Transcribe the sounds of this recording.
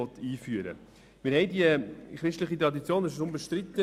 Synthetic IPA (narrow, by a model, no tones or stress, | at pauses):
ɔt̪ːiːfyəɾə̰ | mɪːɾɦɛɪdiəχɾɪʃtləχit̪ɾɑd̪it͡sjoːnɪʃɾʊmbəʃtɾɪt̪ːə